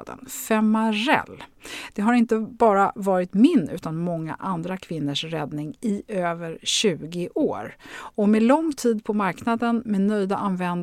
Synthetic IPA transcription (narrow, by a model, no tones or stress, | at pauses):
d̪ə̰nfɛmaɾɛ̰lːd̪̥ɛɦaɾɪnt̪əbɑːɾavɑːɾɪt̪mɪnʉ̟ːt̪anmɔŋːa̰ʔand̪ɾakʰvɪnːəʂɾɛd̪nɪŋɪøːvəɾɕʉ̟ːɡɪʔoːɾɔmɛlɔŋt̪ʰiːd̪pʰɔmaɾknad̪ənmɛnœjd̪aʔanvɛn